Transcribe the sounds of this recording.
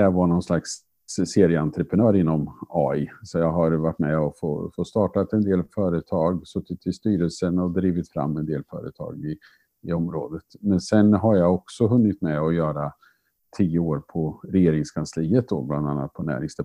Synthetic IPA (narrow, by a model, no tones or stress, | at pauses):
avaɳɔnslaks | seːɾɪəant̪ɾəpʰɾənœːɾɪnːɔmɑːɪsɔjɑːɡɦaɾvaʈːmɛɔfo̰fost̪ɑːʈat̪ɛnd̪eːlfœːɾət̪ʰɑːɡsœt̪ːɪt̪ʰːɪst̪yːɾəlsənɔd̪ɾiːvɪt̪fɾa̰mːɛnd̪eːlfœ̰ːɾə̰t̪ʰɑ̰ːɡɪ | ɪɔmɾo̰ːd̪ət̪mɛnsɛnɦaɾjaɔksɔɦɵnːɪt̪mɛɔjœːɾa | t̪ʰiːjəoːɾpʰɔɾɛjeːɾɪŋskʰansliːət̪̚d̪ɔ̰bland̪a̰nːa̰t̪̚pʰɔnæ̰ːɾɪŋsd̪ɛ